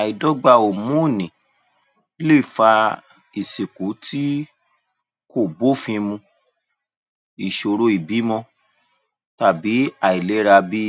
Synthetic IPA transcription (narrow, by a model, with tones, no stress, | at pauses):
a˨i˨dɔ˦ɡ͡ba˧˨o˨mũ˦˨nĩ˨˦ | le˦˨fa˧ | i˨se˨ku˨˦tʰi˦ | ko˦˨bo˦˨fĩ˧mũ˧ | i˨ʃo˧ɾo˧˦i˨bi˨˦mɔ̃˧ | ta˦˨bi˨˦a˨i˨le˨˦ɾa˧bi˦